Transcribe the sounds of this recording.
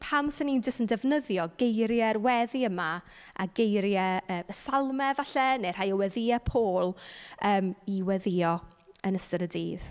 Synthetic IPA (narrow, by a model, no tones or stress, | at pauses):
pʰamsɪnind͡ʒəsəndɛvnəðjɔɡejɾjɛrwɛðiəma | a̰ɡejɾjɛəːməsalˠmɛvaɬɛnejr̥ajɔwɛðɪɛpʰoːlˠəːmiwɛðɪɔ | ənəstəɾədiːð̥